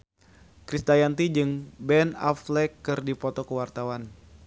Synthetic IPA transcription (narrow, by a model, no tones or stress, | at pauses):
kɾist̪ajant̪id͡ʒɨŋbɛna̰flɛkːɨrdipɔt̪ɔkəwart̪awan